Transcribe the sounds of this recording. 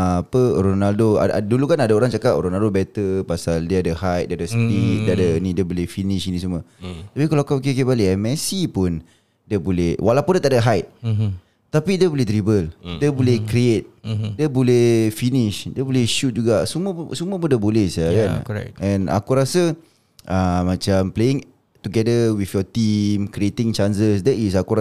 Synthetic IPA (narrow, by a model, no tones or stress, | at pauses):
aapəɾonaldoa̰dulukanadaoɾaŋt͡ʃakap̚ɾonaldobɛt̪əpasaldiəadəhajt̪̚diadəst̪ik̚diadənĩdiəbolɛfiniʃinĩsumət̪apikalaakak̬ik̬iebaliɛmɛsipʊn | diəbolɛhwʔalawpundiət̪aʔdaɦajt̪̚ | t̪apidiəbolɛht̪ɾibəldəbolɛkɾiet̪̚diəbolɛhfiniʃdiəbolɛhʃut̪̚d͡ʒuɡasuməsumə̃pundəbolɛhsakanɛ̰ɛ̃na̰kuɾasə | ʔəmãt͡ʃampleɪŋ | t̪uɡɛdəwifjɔt̪imkɾiet̪ɪ̃ŋt͡ʃansəs̬dɛtis̬akuɾa